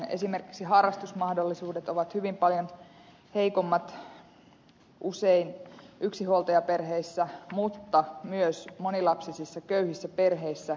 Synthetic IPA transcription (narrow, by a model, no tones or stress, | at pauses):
e̞̰sime̞rki̥ksiɦɑrːˑɑst̪usmɑhdolːisuːdet̪oʋɑt̪hyʋimpɑljon | he̞jkomːɑt̪ | ʔuseinʔyksihuolt̪ɑjɑpe̞rɦeisːæmut̪ːɑmyøsmo̞nilɑpsisisːɑkøyhisːæpe̞rɦeisːæ